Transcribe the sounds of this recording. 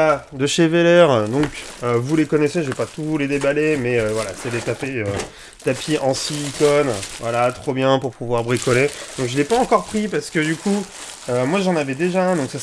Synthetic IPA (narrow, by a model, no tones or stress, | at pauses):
ad̪əʃevelɛʁd̪ɔ̃køvulekɔnɛseʒəvepat̪uled̪ebalemɛøvwala̰sɛlet̪apeø | t̪apʰiʔɑ̃siːkɔnvwalat̪χɔbjɛ̃puʁpuvwaʁbʁikɔled̪ɔ̃kʒəlɛpaɑ̃kɔʁpχipaʁsə̥kʲəd̪ykʰu | ømwaʒɑ̃navɛd̪eʒaɛ̃d̪ɔ̃ksa